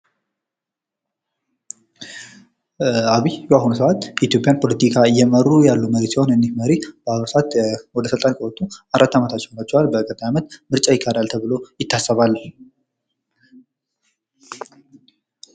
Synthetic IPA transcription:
aβijbaɦunusəwʔat̪ːjɛit̪jo̞pʼjanpʰo̞lət̪ikʰajɛmərːujalːuməɾet̪siho̞nɨndihməɾib̥əaβsəat̪wɔd̪əsɨlt̪ʼankʼəot̪ʰːuaɾʔat̪ːamət̪ʰat̪ːt͡ʃːɛhonat͡ʃːɛwalbəkʼəd̪ajamət̪mɨɾt͡ʃʼajɪkʰʼːad̪alt̪ʰəβɨlo̞jɪt̪ʰːasːəβalː

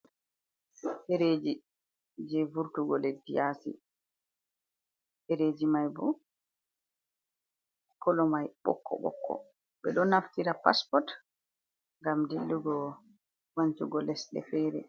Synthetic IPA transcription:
ʔeɾeːd͡ʒi | d͡ʒɛvuɾtuɡɔlɛdijasḭ | ʔeɾeːd͡ʒimajbɔ | kɔlɔmajɓɔ̰kːɔ̰ɓɔ̰kʰːɔ̰ | ɓɛɗɔnːaftiɾapa̰spɔt | ŋɡamdilːuɡɔ | waɲt͡ʃuɡɔlɛsɗɛ̰fɛːɾɛ̰

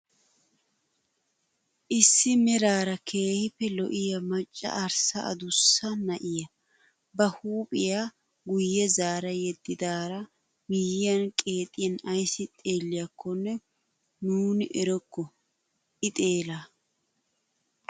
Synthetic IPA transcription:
ʔɪsːɪmɛɾaːɾɐkʰe̞ːhɪpːɛlɔ̰ʔɪjɐmɐt͡ʃʼːɐ̰ʔɐɾsɐɐ̰d̪ʊsːɐnɐʔɪjɐ | bɐhuːpʼɪja | ɡʊjːɛzaːɾɐjɛd̪ːɪd̪aːɾɐ | mɪjɪjɐnkʼe̞ːt̪ʼːɪjɐnɐjsɪt̪ʼe̞ːlːɪjɐkːɔnːɛ | nuːnɪʔɛɾɔkːɔ | ʔɪt̪ʼe̞ːlaː

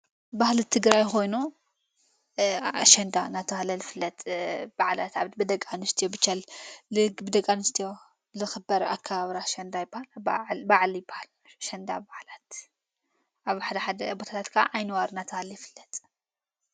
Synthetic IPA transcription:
bahlit̪ʰɨɡɾajxo̞jnu | aʃɐnd̪anat̪ʰɐhalɐlfɨlːɐt̪ʼb̥aʕlat̪aβbɨd̪ɐkʼːanɨst̪ʰijobɨt͡ʃːallɨɡbɨd̪ɐkʼːanɨst̪ʰijo | lɨxɨbɐɾa̰kʰːaβaβɾaʃɐnd̪ajɪbːahalbaʕljɪbːḁhal | ʃɐnd̪a̰baʕlat̪ | ʔaβħad̪ɐħad̪ɐbot̪ʰat̪ʰat̪kʰa̰ʔajnɨwaɾnat̪ʰɐhaljɪfɨlːɐt̪ʼ

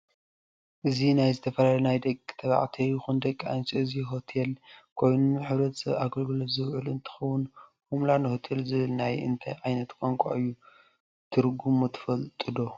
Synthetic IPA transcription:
ʔɨzinajzɨt̪ʰɐfɐlalɐnajd̪ɐkʼːt̪ʰɐβa̰ʕt̪ʰijɪxund̪ɐkʼːiʕa̰nt͡ʃʼiɨziɦot̪ʰelkʰo̞jnuħɨβɾɐt̪sɐβaɡɐlɡɨlozɨwʕɨlɨnt̪ʰɨ̥xɐwːʊn | humlanɨhot̪ʰelzɨβɨlnajɨ̰nt̪ʰa̰jʕajnɐt̪kʼoŋkʷʼa̰ʔɨjːu | t̪ʰɨɾɡumut̪ʰɨ̥fɐlt̪ʼɨd̪o̞

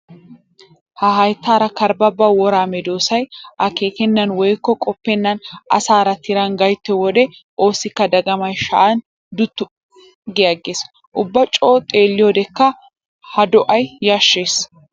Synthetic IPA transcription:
hɐɦɐjt̪ːaːɾɐkɐɾbɐbːɐwɔɾaːmɛd̪oːsɐjʔɐke̞ːkɛnːɐnwɔjkːɔkʼɔpːɛnːɐnʔɐ̰saːɾɐt̪ʰɪɾɐnɡɐjt̪ːɛwɔd̪ɛ | ʔo̞ːsɪkːɐd̪ɐɡɐmɐjʃɐ̰ʔɐn | d̪ʊt̪ːʊ | ɡɪjaɡeːs | ʔʊbːɐt͡ʃʼoːt̪ʼeːlːɪjoːd̪ɛkːɐ | hɐd̪ɔʔɐjːaʃːe̞ːs

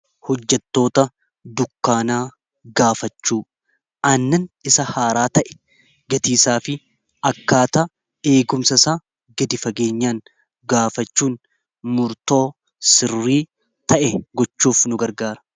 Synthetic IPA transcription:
hɔd͡ʒːɛt̪ːo̞ːt̪ɐ | d̪ʊkːaːnaː | ɡaːfɐt͡ʃːuː | ʔɐnːɐnɪsɐhaːɾaːt̪ɐʔɛ̥ | ɡɐt̪iːsaːfɪ | ɐkːaːt̪ɐ | e̞ːɡʊmsɐsaː | ɡɐd̪ɪfɐɡe̞ːɲːaːŋ | ɡaːfɐt͡ʃːuːn | mʊɾt̪o̞ː | sɪrːiː | t̪ɐʔɛɡɔt͡ʃːuːfnʊɡɐɾɡaːɾɐ̥

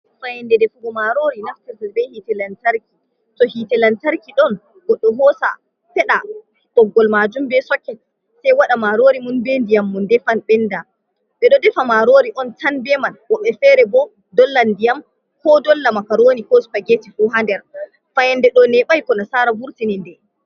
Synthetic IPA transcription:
fajɛndɛdɛfuɡɔmaɾoɾinaftɛɾtɛlbɛhitɛlantaɾki | tɔhitɛlantaɾkiɗɔn | ɡɔɗːɔɦɔsa̰ | fɛɗa | b̥ɔɡːɔlmad͡ʒumbɛsɔkːɛt | sɛjwaɗamaɾoɾimunbɛndijamːundɛfanɓɛnda | ɓɛɗɔdɛfamaɾoːɾiʔɔntʰanbɛmanwɔɓɛfɛɾɛbɔ | dɔlːandijam | kɔdɔlːamakaɾoːnikɔspaɡetifuɦandɛɾ | fajɛndɛɗɔnɛɓajkɔnasaɾabuɾtinindɛ

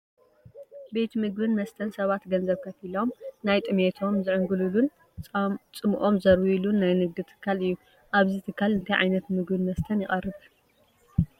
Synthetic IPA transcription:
be̞t̪ʰmɨɡbɨnmɐst̪ʰɐnsɐβat̪ɡɐnzɐβkʰɐfilo̞mnajt̪ʼɨmet̪ʰo̞mzɨʕɨŋɡɨlulunʼ | t͡sʼɨmʔo̞mzɐɾwilunːajnɨɡ̚d̪ɨt̪ʰɨ̥kʰːalɨjːu | ʔaβzit̪ʰɨkʰːalɨnt̪ʰɐjʕa̰jnɐt̪mɨɡbɨnmɐst̪ʰɐnjɪχʼɐrːɨβ

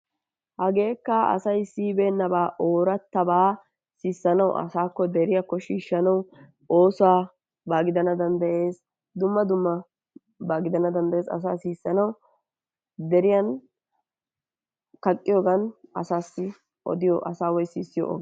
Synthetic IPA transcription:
hɐɡe̞ːkːɐɐ̰sɐjsiːbeːnːɐbaːʔo̞ːɾɐt̪ːɐbaː | siːsːɐnɐw̰ʔɐ̰saːkːɔd̪ɛɾɪjɐkːɔʃiːʃːɐnɐw | o̞ːsʊaː | baːɡɪd̪ɐnɐd̪ɐnd̪ɐʔe̞ːs | d̪ʊmːɐd̪ʊmːɐ | baːɡɪd̪ɐnɐd̪ɐnd̪ɐje̞ːsɐ̰s̬a̰ːsiːsːɐnɐw | d̪ɛɾɪjɐn | kɐkʼːɪjoːɡɐnɐsaːsːɪ | ʔɔ̰d̪ɪjɔ̰ʔɐsaːwɔjsiːsːɪjɔ̰ʔo̰ɡ

